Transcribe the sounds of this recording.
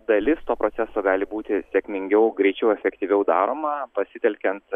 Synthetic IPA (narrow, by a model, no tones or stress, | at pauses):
d̪ɐlʲɪst̪oːpɾʔoːtsʲæsoːɡɑːlʲɪbuːt̪ʲɪsʲɛkʲmʲɪŋʲɡʲɛʊɡɾʲɛɪt͡ʃʲɛʊɛfʲɛkt̪ʲiʋʲɛʊd̪ɑːɾoːmɐpɐsʲɪt̪ʲɛlʲkʲɛnt̪